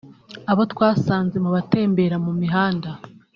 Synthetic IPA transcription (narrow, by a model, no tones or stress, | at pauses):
aβo̞tkwaːsaːnze̞muβate̞ːmbe̞ɾamumiɦaːnda